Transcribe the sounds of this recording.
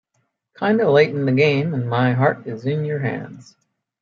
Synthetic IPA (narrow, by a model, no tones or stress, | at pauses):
kʰãɪ̃ndəleɪʔn̩ðɨɡẽɪ̃mə̃nmaɪɦɑɹɾɪzɪ̃njə˞ɦæ̰̃ndz̥